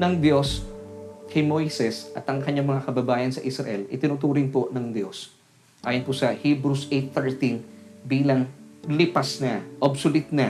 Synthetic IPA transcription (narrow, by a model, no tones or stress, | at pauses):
nɐŋd̪jo̞s | kʰɐjmojsɛsʔɐt̪ʔɐŋkɐɲːaŋmɐŋakɐbɐbaːjɐnsɐʔɪsɾɐ̰ʔɛlʔɪt̪ɪnʊt̪uːɾɪnponɐŋd̪jo̞s | ʔaːjʊnpʊsɐhiːbɾusʔejt̪̚t̪ɛɹt̪inbiːlɐŋlɪpasnɐʔɐbsʊlɪt̪nɐ